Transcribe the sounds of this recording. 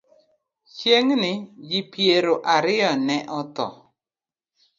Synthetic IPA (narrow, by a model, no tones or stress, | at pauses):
t͡ʃeŋnɪjipjeɾoʔaɾɪɔnɛʔɔt̪ɔ̰